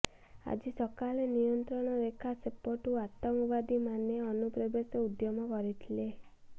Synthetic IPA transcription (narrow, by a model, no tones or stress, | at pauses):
a̰d͡ʒisɔkalenijɔnt̪ɾɔɽ̃ɔɾekʰasepːɔʈuat̪ɔmɔbad̪imaneɔnupɾɔbesɔud̪jɔmɔkɔɾit̪ʰile